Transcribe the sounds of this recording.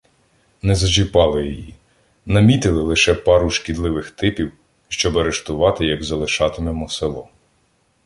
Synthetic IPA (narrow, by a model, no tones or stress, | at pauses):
nɛzɐʒɪpɑlˠɪjɔji | nɐmʲit̪ɪlˠɪlˠɪʃɛpɑɾuʃkʲid̪lˠɪʋɪxt̪ɪpʲiw | ʃt͡ʃɔbɐɾeʃt̪ʊʋɑt̪ɪjɐɡzɐlˠɪʃɑt̪ɪmɛmɔselˠɔ